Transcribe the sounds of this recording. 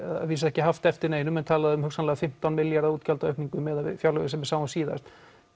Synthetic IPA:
a̰viːs̬ɛhcɪɦaft̪ɛft̪ɪɾneːjnʏmɛnt̪ʰaːlaðɪʏmhʏksanlɛːɣafɪm̥t̪awnmɪljaɾauːt̪cʰalt̪aœhkniŋkʏmɛðavɪ̰fjawlœɣɪsɛmvɪsaːwasiːða̰st̪

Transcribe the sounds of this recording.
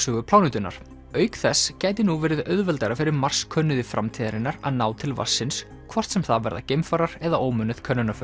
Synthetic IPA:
sœːɣʏpʰlaːwnʏt̪ʏna̰ɾ̥ | œːɥkθɛscaːjt̪ɪnuvɛːɾɪðœðvɛlt̪ajɾafɪɾɪɾmar̥skʰœnːʏðɪfɾa̰mt̪ʰiːðaɾɪnːaɾa̰ðnaːwt̪ʰɪlva̰̥sːɪns | kʰvɔr̥t̪sɛmθavɛ̰ɾða̰cejmfaɾaɾɛðaʔoːwmʏnʏð̥kʰœnːʏnaf

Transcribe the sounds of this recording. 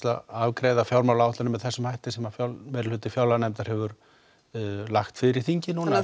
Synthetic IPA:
t̪laavkɾeːjðafjawɾmawlawt̪lʏnʏmːɛðθɛsːʏmhajht̪ɪsɛmafjamɛːɾlhʏːt̪ɪfjawlanɛmt̪aɾ̥hɛvʏɾ | laxt̪fɪɾɪɾ̥θiɲcɪnuːna

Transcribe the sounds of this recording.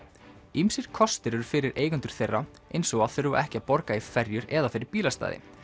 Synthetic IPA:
imsɪɾ̥kʰɔst̪ɪɾɛɾʏfɪɾɪɾʔeːjkʏnt̪ʏɾ̥θejrːa | ejnsɔɣaðθʏɾva̰ʔɛhcɪapɔɾkaifɛɾjʏɾɛðafɪːɾɪɾpiːlast̪a̰ːðɪ̰

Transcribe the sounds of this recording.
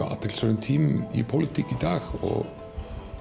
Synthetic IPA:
a̰a̰t̪ʰɪlsœɾɪnt̪ʰiːmipʰowlɪt̪ʰicid̪aːɣɔ̰ɣ

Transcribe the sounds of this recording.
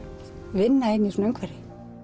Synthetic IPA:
vɪnːaenːisuneŋkʰvɛɾɪ

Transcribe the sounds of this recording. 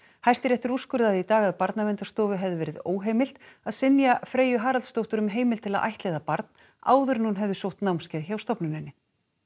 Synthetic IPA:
hajst̪ɪɾɛht̪ɪɾuskʏɾðaðit̪aːɣaðpaɾt̪namɛnt̪ast̪ɔːvʏɦɛvðɪvɛːɾɪðo̰ːwɦeːjmɪlt̪aðsɪnjafɾeːjʏɦaːɾalt̪st̪owht̪ʏɾʏmɦeːjmɪlt̪ʰɪlaðʔa̰jht̪lɛːðapaɾt̪n̥ | a̰ːwðʏɾnunɦɛvðʏsowht̪nawmscɛːðçawst̪ɔpnʏnɪnːɪ

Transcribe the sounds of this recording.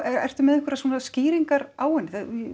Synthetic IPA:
ɛɾɛ̰r̥t̪ʏmɛðɛhkʰvʏɾasuːnasciːɾiŋkaɾaːwɪnːɪθa

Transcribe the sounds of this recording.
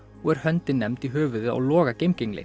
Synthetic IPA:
ɔɣɛɾ̥hœnt̪ɪnːɛmt̪iɦœːvʏðʏa̰wlɔːɣacejmcɪŋlɪ̰

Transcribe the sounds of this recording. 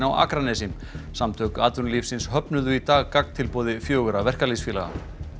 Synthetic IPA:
nawa̰ːkɾanɛsɪm | samt̪ʰœːkʏaːt̪vʏɾnliːfsɪnshœpnʏðʏit̪aːɣkakn̥t̪ʰɪlpɔːðɪfjœːɣʏɾavɛr̥kalisfiːlaɣa̰

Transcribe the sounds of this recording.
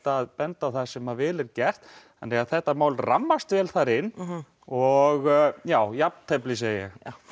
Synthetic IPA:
t̪aːðpɛnt̪aθḁsɛmavɪːlɛɾcɛr̥t̪ | a̰nːɛɣaðθɛht̪ːamaːwlramːast̪vɛːlθaɾɪnː | ɔɣjaːwjap̚nt̪ʰɛplɪs̬eːjjɛ̰x

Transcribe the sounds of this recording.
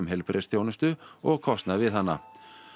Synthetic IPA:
ʏmɦɛlpɾʔest̪ʰjownʏst̪ʏɔɣkʰɔst̪navɪðɦanːa̰

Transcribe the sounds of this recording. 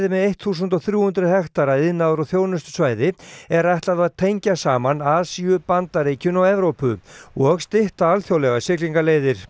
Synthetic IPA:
ðɪmɛðejht̪θus̬ʏnt̪ɔθɾjuːhʏnt̪ɾʏɦɛxt̪aɾaɪðnaðɾɔθjoːwnʏst̪ʏ̥svaːjðɪɛɾajht̪laðaðt̪ʰejɲcasaːmanaːðsiʏpant̪aɾeːjcʏnawɛvɾowpʏɔɣst̪ɪht̪aalθjowlɛɣasɪkliŋkaleːjðɪɾ̥

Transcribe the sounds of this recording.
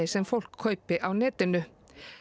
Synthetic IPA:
ɪsɛmfɔl̥kʰːœʏpɪʔawnɛːt̪ɪnʏ

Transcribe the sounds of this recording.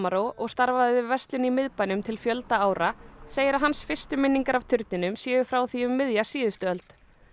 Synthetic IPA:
aɾowʔɔɣst̪aɾvaðɪvɪvɛst̪lʏnimɪðpajnʏmt̪ʰɪlfjœlt̪aaːwɾaseːjɪɾaɦansfɪr̥st̪ʏmɪnːiŋkaɾav̥t̪ʰʏɾt̪nɪnʏmsjɛːɣʏfɾawθiʏmːɪðjasiːðʏst̪ʏœlt̪

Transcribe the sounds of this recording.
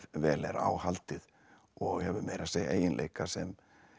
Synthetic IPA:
vɛːlɛɾa̰ːwhalt̪ɪð | ɔɣhɛvʏmejɾaseɣḛːjɪnlʔḛːjkasɛm

